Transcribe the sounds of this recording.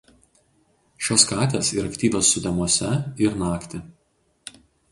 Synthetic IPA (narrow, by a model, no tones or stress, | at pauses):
ʃʲoːskɑːt̪ʲeːsiɾɐkt̪ʲiːʋʲoːsːʊd̪ʲɛmuɔsʲɛɪɾnɑːkt̪ʲɪ